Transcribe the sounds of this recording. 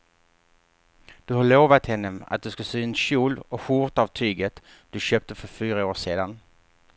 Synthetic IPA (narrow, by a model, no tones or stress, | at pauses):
d̪̥ɵhaɾɭoːvat̪hɛnːəa̰t̪̚d̪ɵskasyːnɕuːlɔɧuɾt̪avt̪ʰyːɡət̪ | d̪̥ɵɕøːp̚t̪əfœɾfyːɾaoːʂeːd̪an